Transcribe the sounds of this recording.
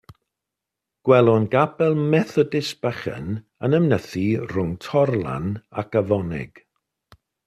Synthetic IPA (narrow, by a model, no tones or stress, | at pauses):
ɡ̥wɛlˠɔnɡabɛlˠmɛθɔdɪsb̥əχə̰n | ənəmnəθirʊŋtʰɔrlˠa̰nakəvɔnɪ̰ɡ̥